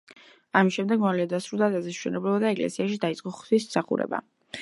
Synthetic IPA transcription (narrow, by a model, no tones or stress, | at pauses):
amisʃɛmd̪ɛɡmɔliɔd̪asɾulˠd̪ad̪azɛʃwɛnɛblɔbad̪aɛkʼlɛ̰siaʃid̪ait̪sʼqʼɔχt̪ʰwismsaχṵɾɛ̰ba̰